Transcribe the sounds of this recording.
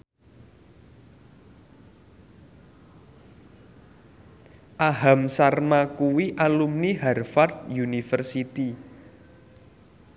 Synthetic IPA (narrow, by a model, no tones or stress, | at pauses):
ʔaɦamsarmakuwiʔalumniɦɛrfart̪̚junifərsit̪i